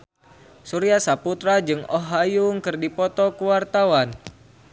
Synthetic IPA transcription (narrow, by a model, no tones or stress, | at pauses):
suɾiasaput̪ɾad͡ʒɨŋɔɦajuŋkɨrdipɔt̪ɔkuwart̪awan